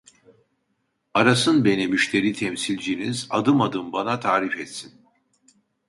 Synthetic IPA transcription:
aɾasɯnbe̞nimyʃt̪ʰe̞ɾiːt̪ʰɛmsilʲd͡ʒinizad̪ɯmad̪ɯmbanat̪ʰaːɾifɛt̪sin

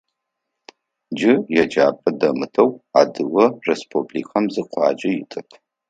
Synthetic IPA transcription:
d͡ʒɪjɛd͡ʒa̰ːpʼɐdɐmɨtʰɐwa̰ːdɨwɐrespʰʼublḭːkʰɐmzɨqʷʰɑ̰ːd͡ʒɐjɪtʼɨpʰ

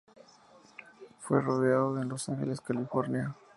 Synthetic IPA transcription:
fwe̞ro̞ðeaðoenlo̞saŋxe̞le̞skalifo̞ɾnja

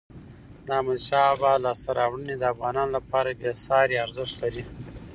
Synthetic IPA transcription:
d̪mad̪ʃɑbalɑst̪aɾʔɑwɽəned̪əafɣɑnɑnolapɑɾaɡesɑɾaɾzɪʂt̪laɾi

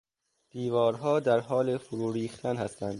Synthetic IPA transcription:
d̪̥iːvɒːɾɦɒːd̪æɾɦɒːlefoɾuːɾiːxt̪ʰænhæst̪ʰænd̪̥

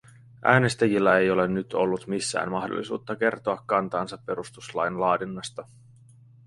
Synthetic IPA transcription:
ʔæːne̞st̪æjilːæe̞jo̞le̞nːyt̪o̞̰lːut̪misːæ̰ːnmɑxdo̰lːḭsuːt̪ːɑk̟e̞rt̪oɑkːɑnt̪ɑːnsɑpːe̞ɾust̪uslɑjnlɑːdinːɑst̪ɑ

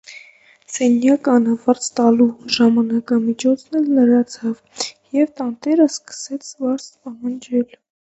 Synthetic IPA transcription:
sɛnjɑkɑnɑvɑɾt͡st̪ɑluʒɑmɑnɑkɑmit͡ʃʰɔt͡sʰnɛlnəɾɑt͡sʰɑv | jɛvt̪ɑnt̪ɛɾəskə̥sɛt͡sʰvɑɾspɑɦɑnd͡ʒɛl

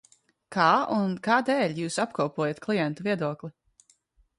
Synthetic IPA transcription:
kaːunkaːd̪ɛːʎʲjuːsapkɔwpuɔjat̪klˠijɛnt̪uviɛd̪uɔklˠi

